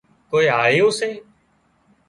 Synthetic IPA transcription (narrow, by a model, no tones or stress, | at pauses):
koːiːaːɦeːʊseː